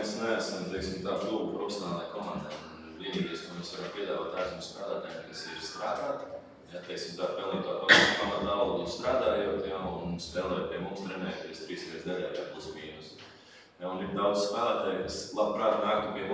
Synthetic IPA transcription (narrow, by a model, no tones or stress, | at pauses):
esnææsɐmt̪ɛksʲimt̪aːfuːɡupɾɔfʲe̥sʲɔnaːlˠakɔmand̪aːnviɛniːd̪iɛsk̪oɔmesʋaɾɐmpiɛd̪aːʋaːt̪asumst̪ɾaːd̪aːt̪aːjɛmkasiɾst̪ɾaːd̪aːt̪ | jat̪ɛɪksʲimt̪aːpɛlnʲiːkt̪aːkapamɐt̪alˠɔːd̪ust̪ɾaːd̪aːjoɔt̪jaunspɛːlˠɛjt̪̚pʲiɛmumst̪ɾɛnɛːjt̪iɛst̪ɾiːskɛzd̪ɛʎʲaːjaːpuspiːnus | jauniɾd̪awd̪zskɾaːd̪aːt̪aːjkaslˠabpɾaːt̪naːk̚t̪upiɛb